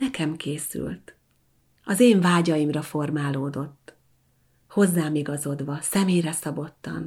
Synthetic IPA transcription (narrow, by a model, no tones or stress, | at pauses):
ɛkɛmkeːsy̰lt̪ | ɒzeːɱvaːɟɒjimrɒfo̞rmaːloːd̪o̞t̪ː | ho̞zːaːmiɡɒzo̞d̪ʋɒsɛmejrɛsɒbo̞t̪ːɒ̰n